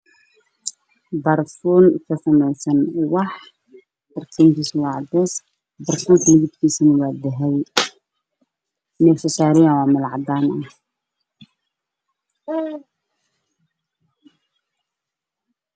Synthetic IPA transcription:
bɐrfuːnkʰɐsɐmɛjsɐnwɑħ | b̪ɐrtʰɛːŋkʰiːsɐwɑːʕɑd̪ɛːs | bɐrfuːŋkʰɐnɪɣɪd̪kʰiːsɐnɐwɑːd̪ɐɦɛj | mɛsɐsaːɾɪjawɑːmɪlʕɑd̪aːnɐh

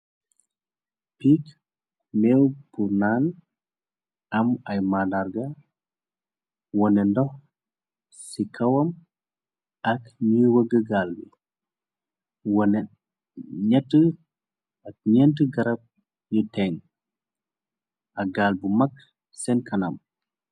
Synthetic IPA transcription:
piːk | mɛwbunaːn | ɐmɐjmadarɡɐ | wɔnɛndɔx | sikʰɐwɐm | ɐkɲiwəɡəɡaːlbḭ | wɔnɛ | ɲɐtːə | ɐk̚ɲɛntəɡɐɾɐp̚ | jutɛŋ | ʔɐɡaːlbumɐk̚ | sɛnkʰɐnɐ̰m

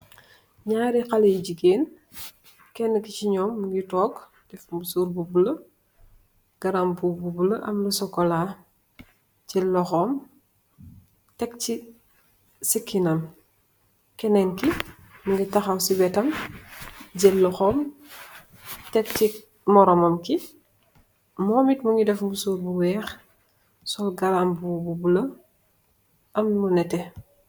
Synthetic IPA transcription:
ɲaːɾixalejiɟiɡeːn | kɛnːəkiciɲɔːmːuŋɡitɔːɡ | d̥ɛfmbusuɾbubulɐ | ɡ̥ɐɾambububulɐʔɐ̰mlusɔkːɔlaː | ɟɛlːɔxɔːm | tɛk̚ci | sikʰːinɐm | kɛnɛŋki | muŋɡitaxawsiwɛtɐm | ɟelːɔxɔːm | tɛk̚ti | mɔɾɔmɐmki | mɔːmitmuŋɡidɛfmusuːɾbuwɛːx | sɔlɡaɾambububulɐ | ʔɐmlunɛtɛ

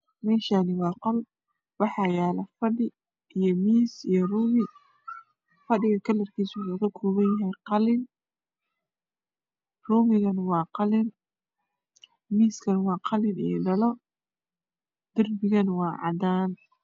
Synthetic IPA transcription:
mɛːʃaːnɪwɑːqɔl | wɑħɑːjaːlɐfɐɖɪ | ʔijɔmiːsijɔruːmɪ | fɐɖɪɣɐkʰɐlɐrkʰiːsɐɣɐkʰuːβɐnjɐɦɛjqɑlɪn | ruːmɪɣɐnwɑːqɑlɪn | miːskʰɐnwɑːqɑlɪnḭjɔ̰ɖɐlɔ | d̪̥ɐrbɪɣɐnwɑːʕɑ̰d̪aːn

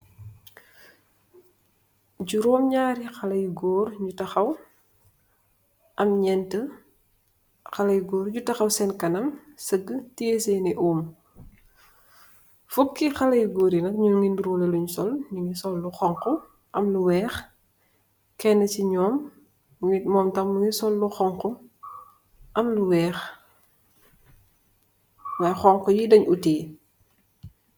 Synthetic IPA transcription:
ɟuɾɔːmɲaːɾixɐlɐjɡɔːɾɲutɐxɐw | ʔɐmɲɛntə | xɐlɐjɡɔːɾɟutɐxɐwsɛnkɐnɐmsəɡətiesɛjniʔuːm | fub̚kixɐlɐjɡoːɾinɐkɲuŋinduɾuːlɛluɲsɔlɲuŋisɔlːuxɔŋkɔ | ʔɐmluwɛːx | kɛnːɐt͡ʃiɲɔːm | mɔːmtɐmːuŋisɔlːuxɔŋkɔ | ʔɐmluwɛːx | wajxɔŋkɔjidɐɲutiː

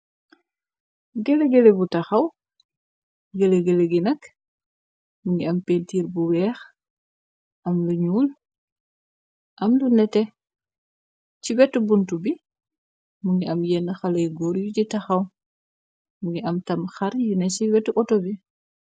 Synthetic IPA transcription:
ɡeleɡelebutɐxɐw | ɡeleɡeleɡinɐk | muŋɡiɐmpentiːɾbuwɛːx | ʔɐmluɲuːl | ʔɐmlunɛtɛ | ciwɛtːubuntubi | muŋɡiɐmjɛnːəxɐlɐjɡɔːɾjucitɐxɐw | muŋɡiʔɐmtɐmxɐɾjunɛsiwɛtːuʔɔtɔbi

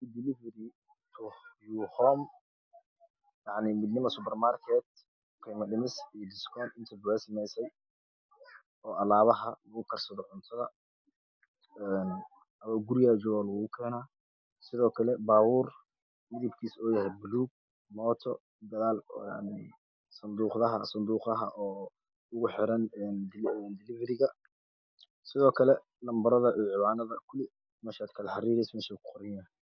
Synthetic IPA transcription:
d̪ɪlɪvɛɾɪ | t̪ʰʊjuːhɔːm | jɑʕnɪmɪd̪nɪmɐsʊpɛrmaːrkʰɛːt̪̚ː | kʰɛːmɐɖɪmɪsijɔd̪ɪskʰɔːnɪnt̪ʰɐbʊwɛsɐmɛjsɛj | ɔːʔɐlaːβɐɦɐlɐɣʊkʰɐrsɐðɔʕʊnt̪ʰɐðɐ | ɛn | ɐmɐɡʊɾɪjaːd͡ʒɔɣɔlʊɣʊkʰɛːnaː | sɪðɔːkʰɐlɛbaːwuːr | mɪðɪbkʰiːsɔːjɐɦɛjbʊluːɡ̚ | mɔːt̪ʰɔ̰ | d̪ɐðaːlja̰ʕnɪ | sɐnd̪uːqðɐɦɐ̰sɐnd̪uːqðɐɦɐʔɔː | ʊɣʊħɪɾɐnɛnd̪ɪɛnd̪ɪlɪvɛɾɪɣɐ | sɪðɔːkʰɐlɛ | lɐmbɐɾɐðɐʔiʕɪwaːnɐðɐkʰʊlɪ | mɛːʃaːd̪kʰɐlɐħɑriːɾɛjsmɛːʃaːkʰʊ̥qɔɾɪjɐː

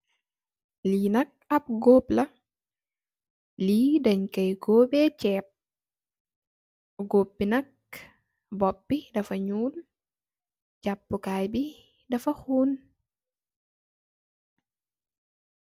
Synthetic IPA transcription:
liːnɐk̚ɐp̚ɡoːplɐ | liːdɐɲkɐjɡoːbɛt͡ʃɛːp̚ | ɡopːinɐk̚ | bɔp̚bidɐfɐɲuːl | d͡ʒapːukaːjbi | dɐfɐxuːn

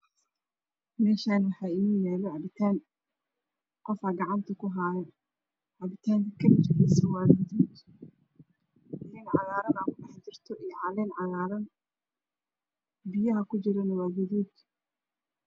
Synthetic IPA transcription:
mɛːʃaːnwɑħɑːɪniːjɛːlɔʕɑbɪt̪ʰaːn | qɔfɐɡɑʕɑnt̪ʰɐkʰʊɦaːjɛ | ʕɑbɪt̪ʰaːŋkʰɐkʰɐmɪt͡ʃɪɡɛsɐwaːdɐd̪uːd̪ | ɪnɪnʕɑɣaːɾɐnaːkʰʊɖɐħt͡ʃɪrt̪ʰɔʔijɔʕɑlɛnʕɑðaːɾɐn | bɪjɐɦɐkʰʊt͡ʃɪɾɐnɐwaːɡʊðuːd̪

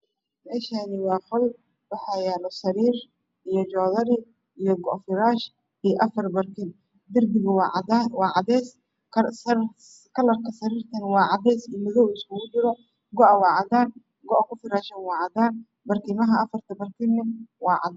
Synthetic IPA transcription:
mɛːʃaːnɪwɑːχɔl | wɑħɑjɛːlɔsɐɾiːr | ʔijɔd͡ʒɔːðɐɾɪ | ʔijɞɡɔʔfɪɾaːʃ | ijʔɐfɐrbɐrkʰɪm | d̪ɪrbɪɣʊwawɑːʕɑɛs | k | kʰɐlɐrkʰɐsɐɾiːrt̪ʰɐnwɑːʕɑðɛsimɪðɔwɪskʊɣʊd̪ʊɾɔ | ɡɔʔwɑːʕɑd̪aːn | ɡɔʔkʰʊfɪɾaːʃɐnwɑːʕɑd̪aːn | bɐrkʰimɐɦɐːfɐrt̪ʰɐbɐrkʰɪnːɪmwɑːʕɑ̰d̪

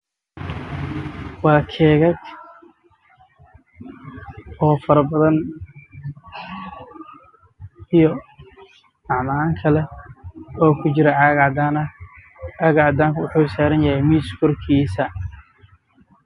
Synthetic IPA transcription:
wɑːkʰɛːɣɐɡ | ɔːfɐɾɐbɐðɐn | ijɔ | ɑʕmaːŋkʰɐlɛ | ɔːkʰʊt͡ʃɪɾɛʕɑɣʕd̪aːnɐ | ɑɣʕɑd̪aːŋkʰʊwʊħuːsaːɾɐnjɐhɛjmiskʰɔrkʰiːsɐ

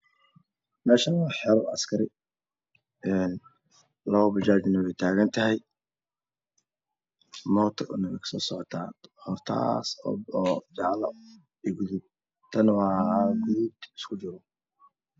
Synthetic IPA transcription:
mɛːʃawɑːħɛɾɐ̰skʰɐɾɪ | ɛn | lɔːbɐt͡ʃaːd͡ʒɪnɐwɛjt̪ʰaːɣɐnt̪ʰɐɦɛj | mɔːt̪ʰɐʊnɐmɪkʰsɔːsɔʕɔt̪ʰa̰ːhɔrt̪ʰa̰ːsɔːd͡ʒɑʕlɐ | iːɡʊðʊb̚ | t̪ʰɐnwɑːhaːɡuːd̪ɪskʰʊd͡ʒɪɾɔ

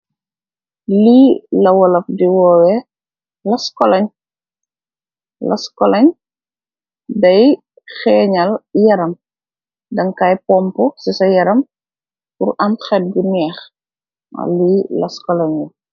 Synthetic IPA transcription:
liːlɐwɔlɐfdiwɔːwɛ | lɐskɔlɐɲ | lɐ̰skɔlɐɲ | dɐj | xɛːɲɐljɐɾɐm | dɐŋkajpɔmpɔsisɐjɐɾɐm | purɐmxɛt̚ɡunɛːx | ma̰liːlɐskɔlɐɲu

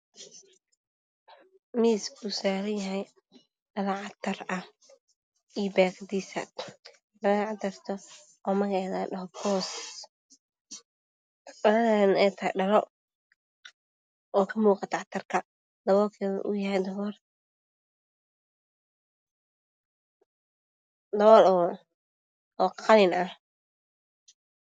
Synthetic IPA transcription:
miːskusaːɾɐjɐɦɛj | ɖɐlɐʕɑt̪ʰɐrɐ | iːbaːɡd̪iːsɐ̰ | mɐɣʕɑt̪ʰɐrt̪ʰɔ | ɔmɐɣɛjðaɖɐɦɔpʰɔːs | ɐlɐanɛjt̪ʰɐhɛɖɐlɔ | ɔːkʰɐmuːqɑt̪ʰɐʕt̪ʰɐrkʰɐ | d̪ɐβɔːlkʰɛ̰ʔʊ̰jɐɦɛjd̪ɐβɔr | d̪ɐβɔːl | ɔːqʰɑlɪnɐh

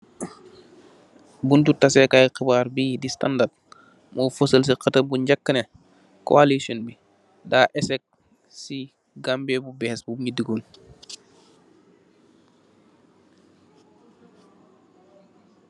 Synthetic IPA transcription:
buntutasɛkajxibaːɾbiːdistandat̚ | mɔːfosəls̬iqɐtɐbuɲɟɐkːənɛ | ko̰alisɔnbi | daːʔɛsɛk̚ | si | ɡambɛbubɛːsbubɲidiɡoːn

